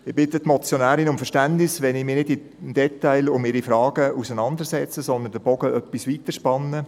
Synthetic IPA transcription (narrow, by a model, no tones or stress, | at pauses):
ɪb̥ɪt̪ətmɔt͡sjonæːɾinʊmfəʃtæntnɪsʋɛnɪmɪːnɪdɪ | md̥ɛt̪aɪlʊmɪɾifɾɑːɡ̥əusənɑnd̪əɾsɛt͡səsɔnd̪əndəb̥ɔɡ̥əœpːisʋit̪əʃpɑnːə